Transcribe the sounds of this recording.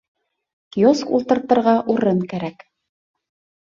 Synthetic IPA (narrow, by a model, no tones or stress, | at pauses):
kioskṵlˠt̪ɤ̆ɾt̪ɤ̆ɾʁɑʔuɾɤŋkæɾæk